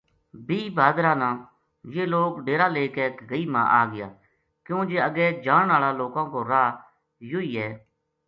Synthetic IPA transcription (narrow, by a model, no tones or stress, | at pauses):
biːbaːd̪ɾaːnãː | jeːloːkɖeːɾaːleːkeːkɡəiːmã̰ːʔaːɡɪja̰ː | kjõːd͡ʒeːəɡɛːd͡ʒaːɳnaːlaːloːkãːkoːɾaː | joːiːɛː